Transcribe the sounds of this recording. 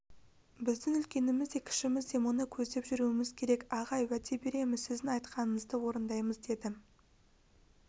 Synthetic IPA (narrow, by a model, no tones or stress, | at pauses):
bɪzd̪ɪŋʏlkʲe̞nɪmɪzd̪e̞kʲʰɪ̥ʃɪmɪzd̪e̞mo̞nəkʲʰɵzd̪e̞pʒʏɾuɪmɪzkʲʰe̞ɾe̞kɑʁɑjwæt̪ʰe̞be̞ɾe̞mɪzsɪzd̪ɪɑjt̪qɑnəɴəzd̪əwo̞ɾənd̪ɑjməzd̪e̞d̪ɪ